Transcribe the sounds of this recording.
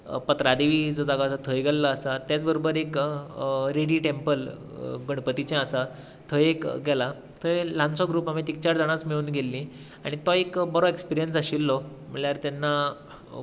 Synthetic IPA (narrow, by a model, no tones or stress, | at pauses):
pət̪ɾad̪eʋiːd͡zɔd͡zaɡasat̪ʰəjɡalːaːsat̪jat͡sbəɾobəɾek | ɾeɽiʈempəl | ɡəɽ̃pət̪it͡ɕɛ̃asa | t̪ʰəjekɡɛla | t̪ʰəlãnsɔɡɾuːpamit̪ik̚t͡ɕaɾd͡zaɽ̃at͡smiɭuːnɡelːĩ | aɽ̃it̪ɔekbəɾɔekspiɾijənsaɕilːɔm̤əɭljaɾt̪anːa